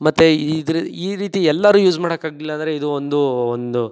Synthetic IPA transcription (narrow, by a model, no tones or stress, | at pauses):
mɐt̪ːeid̪ɾiːɾiːt̪iɛlːaɾuːjuːd͡ʒmaːɽɐkaːɡlilːɐːnd̪ɐɾe̞id̪uond̪uond̪u